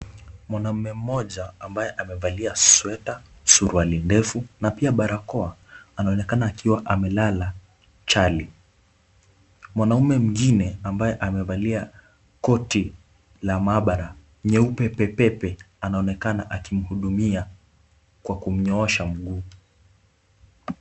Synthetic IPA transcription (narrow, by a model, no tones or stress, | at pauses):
mwanam̩mɛm̩mɔʄaambajɛʔamɛvaliaswɛta | suɾualindɛfunapiaɓaɾakɔaanaɔnɛkanaːkiwaʔamɛlala | t͡ʃali | mwanaumɛm̩ɡinɛambajɛʔamɛvalia | kɔti | lamaɓaɾa | ɲɛupɛpɛpɛpɛ | anaɔnɛkanaʔakim̩huɗumia | kwakum̩ɲɔɔʃam̩ɠuː